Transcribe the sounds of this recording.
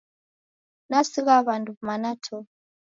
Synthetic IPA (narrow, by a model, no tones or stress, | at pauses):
nasiɣaβanduβmanatʰɔ